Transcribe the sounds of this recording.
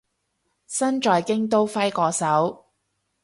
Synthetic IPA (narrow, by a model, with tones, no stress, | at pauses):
sɐ˥nt͡ʃɔː˨˧jkɪ˥ŋt̪̬o˥wfɐ˥jkɔː˧sɐ˨˥w